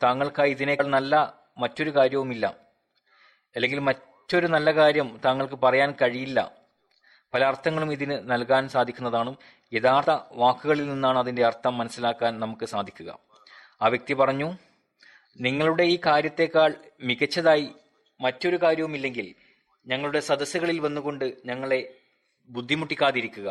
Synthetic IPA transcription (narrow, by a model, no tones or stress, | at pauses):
t̪aːŋːɐɭkaːjiðine̞ɭnɐlːɐ | mɐtːo̞ɾukaːɾjɐʋumilːɐ̰ | ɐlːe̞ŋɡilmɐ | tːo̞ɾunɐlːɐkaːɾjɐmt̪aːŋːɐɭk̬ɨpɐrɐjaːnkɐɻijilːɐ̰ | pɐlɐɐrt̪ʰɐŋːɐɭumiðinɨnɐlkaːnsaːd̪ʱikʲːunːɐðaːɳum | e̞ðaːrt̪ɐʋaːkːuɣɐɭilninːaːɳɨɐðinde̞ɐrt̪ʰːɐmːɐnɐsːilaːkːaːnnɐmukːɨsaːd̪ʱikʲːuɣɐ̰ | aːʋjɐk̚t̪ipɐrɐɲːu | niŋːɐɭuɽe̞iːkaːɾjɐt̪ːe̞ːkːaːɭmiɣɐt͡ɕːɐðaːji | mɐtːo̞ɾukaːɾjɐʋumilːe̞ŋɡil | ɲɐŋːɐɭuɽe̞sɐd̪ɐsuɣɐɭilʋɐnːuɣo̞ɳɖɨɲɐŋːɐɭe̞ | bud̪ʱːimuʈːikʲːaːðiɾikʲːuɣɐ̰